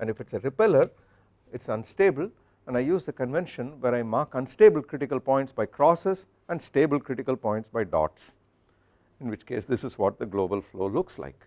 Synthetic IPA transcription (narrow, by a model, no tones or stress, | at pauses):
ʔɛ̃nɖɪfɪʈseɾɪpɛləɾ | ɪʈsʌ̃nsʈeːbəl | ɛ̃nɖaɪjuːzd̪əkə̃nʋɛ̃nʃə̃nʋeɾaɪmaːɾkʌ̃nsʈeːbəlkɾɪʈɪkəlpɔ̃ɪ̃nʈsbaɪkʰɾɔːses | ɛ̃ɳɖsʈeːbəlkɾɪʈɪkəlpɔ̃ɪ̃ɳʈsbaɪɖɔ̰ːʈs | ɪ̃nʋɪt͡ʃkeːsd̪ɪsɪzʋɔʈ̚d̪əɡloːbəlfloːlʊksla̰ɪk